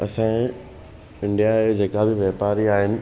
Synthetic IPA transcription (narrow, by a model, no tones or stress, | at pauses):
ɐsãː | ɪ̃ɳɖijaed͡ʑeːkabɪʋjeːpaːɾiaːɦɪnɪ̆